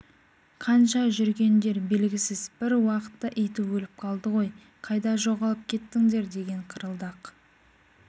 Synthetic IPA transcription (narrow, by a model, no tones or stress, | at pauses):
qʰɑnʃɑʒʏɾɡʲe̞nd̪e̞ɾbe̞lɡʲɪsɪzb̥ɪɾwɑqə̥t̪ːɑʔejt̪ɪpwɵlɪp̚qʰɑlˠd̪əʁo̞j | qʰɑjd̪ɑʒo̞ʁɑlˠəp̚kʲʰe̞t̪ːɪŋd̪e̞ɾd̪e̞ɡʲe̞ɴqʰəɾəlˠd̪ɑq